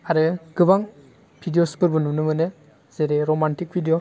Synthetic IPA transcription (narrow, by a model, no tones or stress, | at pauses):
aɾɯɡ̥ɯbaŋ | bʰʱidijospɯɾbɯnumnɯmɯnɯ | z̥eɾeɾomantik̚bʰʱidijo